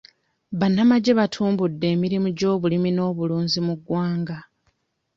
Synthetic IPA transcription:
βanːamaɟe̞βatʰuːmbudːe̞ːmiɾimuɟo̞ːβulimino̞ːβuluːnzimuɡwaːŋɡa

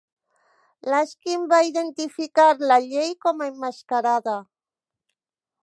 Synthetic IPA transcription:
laskimbaiðe̞nt̪ifikaɾlaʎejkomaemːaskaɾaða

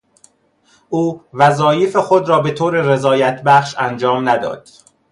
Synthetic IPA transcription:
ʔuːvæzɒːjefexod̪ɾɒːbe̞t̪ʰoːɾere̞zɒːjæt̪ʰbæχʃænd͡ʒɒːmnæd̪ɒ̰ːd̪̥

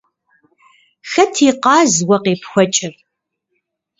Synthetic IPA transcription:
xɐtʰiːqɑːzwɐqeːpxʷɐt͡ʃʼɪr

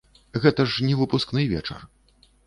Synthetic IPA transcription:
ɣɛt̪ɐʂnʲɛvɨpusknɨjvʲɛ̰t͡ʂɐ̰r

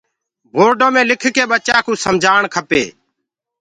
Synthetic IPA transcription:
bʱoːɾɖõːmẽːlɪkʰkeːɓət͡ʃaːkũːsəmd͡ʒʱaːɳkʰəpḛː

